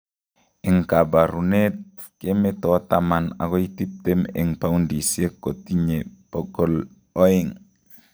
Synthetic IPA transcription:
ɪ˨ŋka˨ba˨ɾu˨ne˦t̚ | ke˦mɛ˦tɔ˨˦tama˨na̰˨kɔ˦i˦ti˦p̚te˦mɪ̰˨ŋpa˦undi˨sie˦ko˨ti˦ɲe˨pɔ˦ɡɔ˦l | ɔ˦i˦˨ŋ

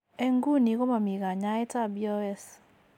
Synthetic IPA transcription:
e˦ŋɡu˦˨ni˨ɣɔ˦ma˨mi˨ɣa˨ɲa˦ɛ˦ta˦˨bi˦ɔ˦ɛ˦s

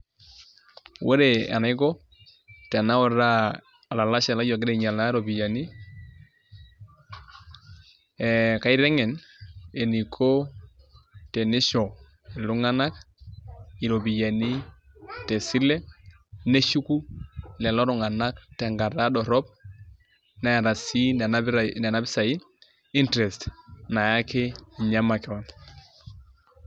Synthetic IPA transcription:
wʔe˦ɾe˨ḛ˨nɛ˦ɡɔ˦ | tɛ˨na˦wɔ˨ɾa˦ | a˨la˨la˦sɛ˨la˦d͡ʒɔ˨ɡɪ˦ɾe˨ɲa˨la˦ɾo˨bi˨ja˨ni˦ | e˨ka˦i˦ɾɛ˦ŋɛ˨ne˨ni˨kʰo˦ | te˨ne˦ʃɔ˨ | ɛ˨lu˦ŋa˦na˦k | i˨ɾo˨bi˨ja˨ni˦ | te˨si˦le˦ | ne˦ʃu˦ku˦lɛ˨lɔ˦ɾɔ˨ŋa˨na˦k̚te˨ŋɡa˨ɾa˦ɗɔ˨ɾɔ˦p̚ | na˨ja˨ɾa˨si˦ | ne˨na˦bi˦sa˨i˦ | i˦ntɾɛ˨stna˨ja˦ke˦˨ɲa˦ma˨ke˨ɔ˨n

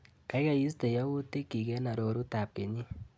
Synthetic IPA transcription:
ka˨˦i˦ɣa˦˨ji˦ste˨ja˦wu˦te˦ki˨ɣe˦na˨ɾo˨ɾu˦ta˨p̚ke˨ɲi˦

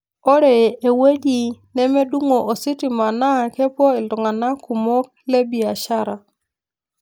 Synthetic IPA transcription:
ɔ˦ɾe˨e˨we˦di˨nɛ˦me˦du˦ŋo˨ʔo˨si˦ti˨ma˨na˦˨ke˦pwɔ˦i˨ldɔ˨ŋa˨na˦ku˨mɔ˦k̚ | le˦bi˨a˨ʃa˦ɾa˨

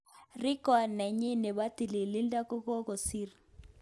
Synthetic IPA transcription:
rɪ˦kɔ˨nɛ˨ɲi˦ne˨ba˦t̪i˨li˨li˦nda˦ko˦kɔ˦ko˨si˦ɾ

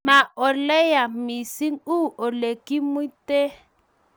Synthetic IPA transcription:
ma˨ɔ˨lɛ˦ja˨mi˨si˦ŋu˦ɔ˨le˨ki˦mu˦te˦

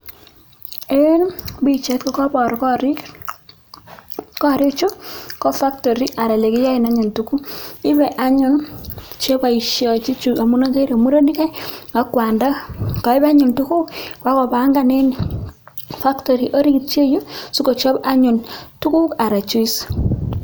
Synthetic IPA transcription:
e˦nbi˦t͡ʃɛ˦tkɔ˦kɔ˦bɔ˨ɾkɾi | kɔ˦˨ɾɪ˦kt͡ʃo˦kɔ˦fa˦ktɔ˨ɾi˦ʔa˨ɾa˨le˨kɪ˦ja˦ɪ˨na˨˦ɲo˨ntu˦ku˦ɪ˦bɛ˨ʔa˦ɲʊ˨nt͡ʃe˦ba˨i˨ʃjɔ˨t͡ʃi˦t͡ʃu˨a˨mu˦na˦ke˦ɾa˨mu˦ɾo˦ni˦kɛ˦a˦kwa˨nda˦kɔ˨ɪ˦ba˦ɲʊ˨ntu˦ku˦kwa˦kɔ˨ba˨˦ŋɡa˨ne˦ni˨ | fa˦kto˨ɾi˨ʔo˦ɾi˦ki˨t̚t͡ʃe˦jo˦su˦ko˨t͡ʃɔ˦ba˦ɲʊ˨ntu˦ku˦ka˨ɾa˨t͡ʃu˦i˦s

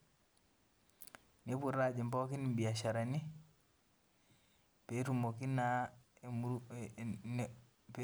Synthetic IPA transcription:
ne˨˦pu˨ɾa˦˨d͡ʒi˨mpɔ˦ki˦ni˨mbi˨a˨ʃa˨ɾa˨ni˦ | pe˨˦tu˨mo˨ki˦na˦˨ | p

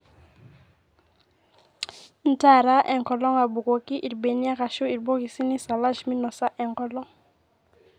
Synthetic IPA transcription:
n̩˦ta˦˨ɾa˦ʔɛ˨ŋkɔ˨lɔ˦ŋa˨bu˨ko˨ki˦ʔi˨ɾbe˨ni˦a˦ka˨ʃo˦i˨ɾbo˦ki˨si˦ni˦sa˨la˦ʃmi˦nɔ˨sa˦ʔɛ˨ŋkɔ˨lɔ˦ŋ

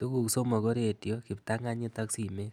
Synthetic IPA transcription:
tu˦ku˨kso˦ma˨ko˦ɾe˨tjo˦ki˨pta˦ŋa˦ɲi˦ta˦ksi˨me˦

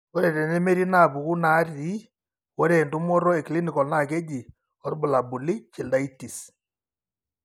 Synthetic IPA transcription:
ɔ˦ɾɛ˨tɛ˨nɛ˦me˦ɾi˦na˦˨pu˨ku˦na˨˦ri˦ | wɔ˦ɾe˨ndʊ˦mɔ˦ɾɔ˦ɛ˨kli˦nɪ˨kɔ˨lna˦˨ke˦d͡ʒi˨ | ɔ˦rbʊ˨la˨bʊ˨lɪ˦t͡ʃɪ˨lda˦i˦ti˨s

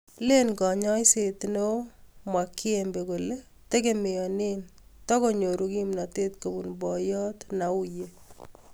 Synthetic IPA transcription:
le˦nkɔ˨ɲɔ˦jsetno˦mwa˨kːi˦embe˨ko˨le˦ | te˦ke˦me˨ɔ˨ne˦ntɔ˦ko˦ɲo˨ɾuki˦mna˨te˦tko˨bu˨nbɔ˨jɔ˦tna˨u˦je

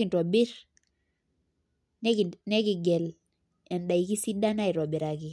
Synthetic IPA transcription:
kɪ˨ntɔ˨bɪ˦ɾ | nɛ˦knɛ˦kɪ˨ɡɛ˨l | ɛ˨nda˨i˨ki˦si˦da˦na˦i˨ɾɔ˨bɪ˨ɾa˨kɪ˨

